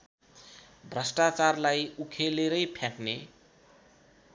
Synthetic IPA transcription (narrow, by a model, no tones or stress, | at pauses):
bʱrʌsʈat͡sarlajukʰeleɾʌjpʰjãkne